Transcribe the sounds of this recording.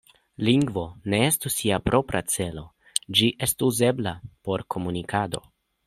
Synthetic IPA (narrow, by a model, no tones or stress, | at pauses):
liŋɡvo̞ne̞estusiapɾʔo̞pɾat͡se̞lo̞ | d͡ʒiʔe̞stuze̞blapo̞ɾkʰo̞munikʰado̞̰